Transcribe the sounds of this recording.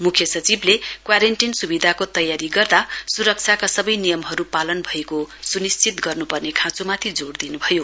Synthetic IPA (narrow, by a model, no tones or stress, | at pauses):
mukʰjʌsʌt͡siblekwaɾeɳʈinsubid̪ʱakot̪ʌjaɾiɡʌrd̪asuɾʌk̚t͡sʰakasʌbʌjnijʌmɦʌɾupalʌnbʱʌekosunist͡sʰit̪ɡʌrnupʌrnekʰãt͡sumat̪ʰid͡zoɽd̪inubʱʌjo